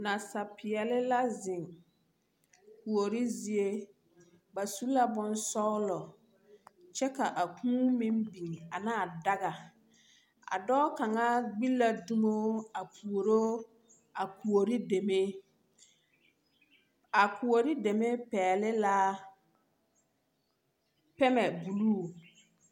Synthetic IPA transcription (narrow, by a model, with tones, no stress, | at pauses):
na˨sa˨pɪ˨ɛ˨lɪ˦la˦zɪ˨ŋ | ku˨o˨ɾi˦zi˦e˦ | ba˨su˦la˦bʊ˦nsɔ˦ɣlɔ˨ | t͡ʃɛ˦ka˨ʔa˨kʰũː˦mɪ˦mbi˨ŋ˨a˨naː˦˨da˦ɣa˨ | a̰˨dɔ˦ka˨ŋa˦ɡ͡bi˦la˦du˦mo˦a˨pʰu˨o˨ɾo˦ | a˨ku˨o˨ɾi˦de˨me˦ | a˨ku˨o˨ɾi˦de˨me˦pɛː˨lɪ˦la˦ | pɛ˦mɛ˨bu˨luː˦˨